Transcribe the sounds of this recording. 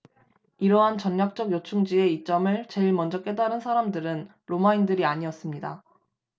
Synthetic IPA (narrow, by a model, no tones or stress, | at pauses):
iɾʌɦant͡ɕʌnːak̚t͡ɕ͈ʌɡjot͡ɕʰuŋd͡ʑie̞it͡ɕ͈ʌmɯɭt͡ɕe̞iɭmʌnd͡ʑʌk͈e̞daɾɯnsʰaɾamdɯɾɯn | ɾomaindɯɾiaɲiʌs͈ɯmɲida